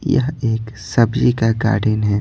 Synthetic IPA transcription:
jɐ̰ɦeːksɐbd͡ʒikaɡa̰ːɾɖɪnɦɛː

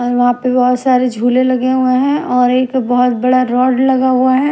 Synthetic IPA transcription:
ɔːɾʋɐɦãpebɔɦʊt̪saːɾed͡ʒʱuːlelɐɡeɦʊeɦɛ̃ʔɔːɾeːkbɔɦʊt̪bɐɽaɾɔːɖlɐɡaɦʊaɦɛ

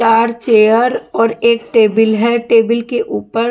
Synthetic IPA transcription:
aːɾt͡ʃeːəɾɔːɾeːk̚ʈeːbɪlɦɛʈeːbɪlkeʔuːpəɾ

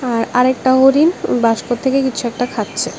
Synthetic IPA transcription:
aɾaɾek̚ʈaɦoɾinbaʃkot̪ʰːekekit͡ɕʰuɛk̚ʈakʰatːɕʰe

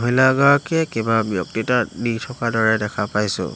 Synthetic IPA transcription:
ɦilaɡaɹkɛkebabjɔk̚titanitʰɔkadɔɹɛdɛkʰapajsʊ̰

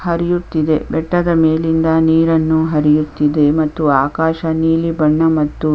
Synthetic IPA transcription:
ɦɐɾijut̪ːid̪e̞bɛʈːɐd̪ɐmeːlind̪ɐniːɾɐnːuɦɐɾijut̪ːid̪e̞mɐt̪ːuaːkaːʃɐniːlibɐɳːɐmɐt̪ːu

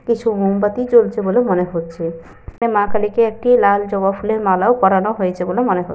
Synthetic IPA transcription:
kit͡ɕʰumombat̪it͡ɕolt͡ɕʰebolemɔneɦot̪ːʃʰe | emãkalikeek̚ʈilald͡ʒɔbapʰuleɾmalaokɔɾanɔɦoet͡ɕʰebolemɔneɦo̰

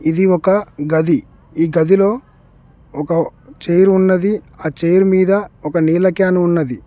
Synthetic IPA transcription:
id̪iɔkɐɡɐd̪i | iːɡɐd̪ilo̞ː | ɔkɐt͡ʃeːjɾunːɐd̪iaːt͡ʃeːjɐɾumiːd̪ɐɔkɐniːlɐkjaːnuunːɐd̪i

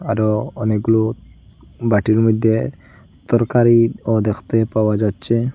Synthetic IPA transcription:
aɾɔɔnekɡulo | baʈiɾmɔd̪ʱːe | t̪ɔɾkaɾiɔd̪ekʰt̪epawad͡ʒatːt͡ʃʰe

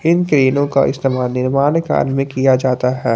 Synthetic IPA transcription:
ɪnkɾeːnõka̰ʔɪ̰st̪eːmaːlnɪɾmaːnka̰ːnmẽkijad͡ʒaːt̪aɦɛː

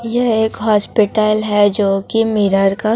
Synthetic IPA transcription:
jeeːkɦɔːspɪʈəlɦɛd͡ʒoːkimɪɾəɾka

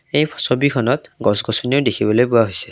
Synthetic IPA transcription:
ejpʰɔsobikʰɔnɔtɡɔsɡɔsɔnioʊdekʰibɔlojpʊwaɦojsɛ

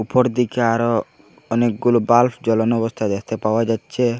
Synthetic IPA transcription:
upɔɾd̪ikeaɾo | ɔnek̚ɡulobalfd͡ʒɔlɔnɔbɔst̪ʰad̪ekʰt̪epawad͡ʒatːʃʰe

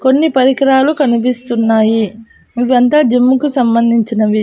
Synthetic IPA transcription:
ko̞nːipɐɾikɾaːlukɐnip̬ist̪unːaːji | iʋːɐnt̪aːd͡ʒemːukusɐmbɐnd̪ʱiɲt͡ʃinɐʋi

